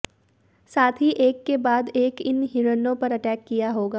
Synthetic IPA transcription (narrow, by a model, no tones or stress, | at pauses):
saːt̪ʰɦiʔeːkːebaːd̪eːkɪnɦiɾənõpɐɾɐʈɛːkːijaɦoːɡaː